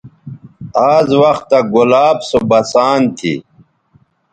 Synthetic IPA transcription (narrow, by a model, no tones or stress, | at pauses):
aːzwɐxt̪ːaɡulaːbsobɐsaːnt̪ʰḭ